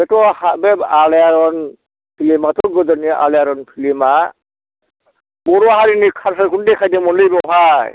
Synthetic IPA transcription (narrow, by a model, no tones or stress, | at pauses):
bɛtɔhabɛbalɛjaɾɔn | pʰilimatɔɡɔdɔniʔa̰lɛjaɾɔnpʰilima | bɔɾɔaɦaɾinikʰaɾsaɾkʰundɛkʰajdɛmɔnlejbɔɦaj